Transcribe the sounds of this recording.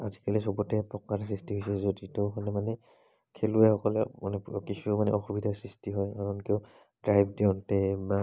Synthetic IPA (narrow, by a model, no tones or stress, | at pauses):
azikalisɔbɔtɛpɹɔkaɹs̬ɹistiɦojsɛzoditɔxʰɔnɛmanɛ | kʰeluɛxɔkɔlɛmanɛkisʰumanɛ̰ɔxubidʱasɹistiɦɔjkaɹɔnkio | dɹajbʱdeʊntɛa